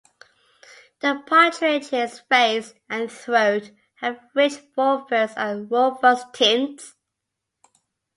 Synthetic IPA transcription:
ðəpʰaˑt͡ʃʰɹet͡ʃɪsfeɪs | ə̃nθɹəʊt | həvɹɪt͡ʃbɔbəzənwɔbəstʰɪ̃nts

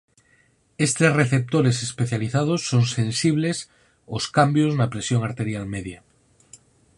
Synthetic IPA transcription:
est̪esreθep̚t̪oɾesespeθjaliθað̞osːoŋsẽnsiβ̞les | oskambjoznapɾesjoŋaɾt̪e̞ɾjalmeðja

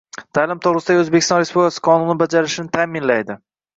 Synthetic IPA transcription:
t̪ʰaːlɪmt̪ʰoʁɾɪsɪd̪aɡʲɪɵzbekʲʰɪst̪ɒnɾespublɪkʰasɪ̥qʰɒnʊnɪbad͡ʒaɾɪʃɪnɪt̪ʰamɪnlajd̪ɪ

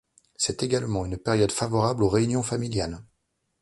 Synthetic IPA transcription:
sɛt̪eɡalmɑ̃ynpɛʁjɔd̪favɔʁabloʁeynjɔ̃familjal

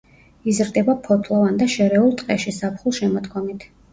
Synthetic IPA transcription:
izɾd̪ɛbapʰɔt̪ʰlˠɔvand̪aʃɛɾɛulˠt̪ʼqʼɛʃisapʰχulˠʃɛmɔt̪kʰɔmit̪ʰ

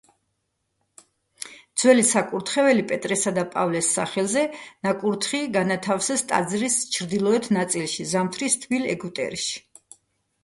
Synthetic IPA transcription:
d̪z̥wɛlisakʼuɾt̪ʰχɛvɛlipʼɛt̪ʼɾɛsad̪apʼavlɛsːa̰χɛlˠzɛnakʼuɾt̪ʰχiɡanat̪ʰafsɛst̪ʼa̰d̪zɾist͡ʃʰɾd̪ilˠɔɛt̪ʰnat̪sʼilˠʃizamt̪ʰɾist̪ʰvilɛ̰ɡut̪ʼɛ̰ɾʃi̥

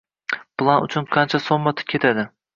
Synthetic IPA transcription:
plˠanʊ̰t͡ʃʰʊnqʰɑnt͡ʃʰasomːat̪ʰɪ̥p̚kʲʰe̞t̪ʰad̪ɪ

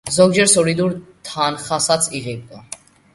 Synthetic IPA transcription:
zɔɡ̚d͡ʒɛɾsɔlid̪uɾt̪ʰanχasat̪sʰiʁɛb̚d̪a

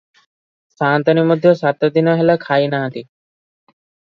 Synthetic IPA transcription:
sãːnt̪ənimʊd̪ʱjosat̪od̪inəɦelakʰaːinaɦət̪iː

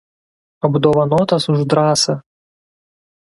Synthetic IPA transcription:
ɐbud̪ɔvɐnɔt̪ɐsuʐd̪ɾasɐ

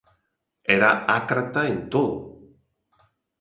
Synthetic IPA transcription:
eɾaʔakɾat̪aent̪oðo

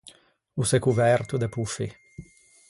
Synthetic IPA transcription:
usekuvɛrt̪ud̪epufi

